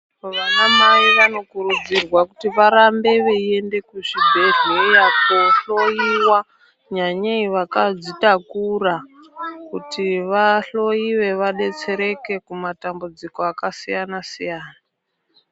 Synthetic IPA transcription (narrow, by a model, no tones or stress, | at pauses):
ʋanamaiʋano̞kuɾud͡zirwakutiʋaɾambe̞ʋeie̞nde̞kuʐibʱe̞ɮejapoɬo̞iwa | ɲaɲaiʋakad͡zitakura | kutiʋaɬo̞iʋe̞ʋaɗe̞t͡se̞ɾe̞ke̞kumatambud͡zikoakasijanasijaːna